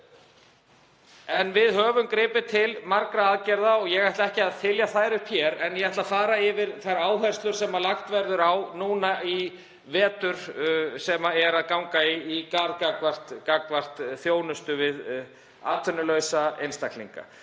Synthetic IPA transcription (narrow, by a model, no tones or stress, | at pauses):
ɛnvɪðhœːvʏmkɾɪːpɪt̪ʰɪlmaɾkɾaaːðcɛɾðaɔɣjɛɣaht̪laɛhcɪaðθɪljaθajɾʏhpçjɛɾɛnjɛɣaht̪lafaːɾaɪvɪɾθajɾaːwhɛr̥st̪lʏɾ̥sɛmalaxt̪vɛɾðʏɾawnuːnai | vɛːt̪ʏɾ̥sɛmaɛɾaðkawŋkaiːkaɾkakvar̥t̪kakvar̥t̪θjoːwnʏst̪ʏvɪð | a̰ːt̪ʰfʏnːʏlœɥsaejnst̪aklḭŋka̰